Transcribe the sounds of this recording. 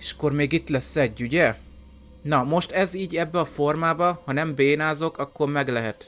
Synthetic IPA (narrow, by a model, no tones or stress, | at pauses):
eʃɒ̥kormeːɡit̪lɛsːɛɟːuɟɛ | nɒmo̞ʃt̪ɛziːɟɛbːɛɒfo̞rmaːbɒhɒnɛmbeːnaːzo̞kɒkːormɛɡlɛɦɛt̪